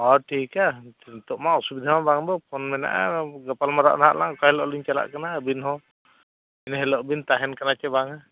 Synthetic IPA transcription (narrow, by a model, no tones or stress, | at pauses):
ɔʈʰikat̪ɔʔmaɔsubid̪ʱamabaŋbɔpʰɔnmɛna̰ʔa̰ɡɔpalmaɾa̰ʔnaɦa̰ʔlaŋkahɛlɔʔliɲt͡ʃala̰ʔkanabinhɔ | inɦɛlɔʔbint̪aɦɛnkanat͡ʃɛbaŋa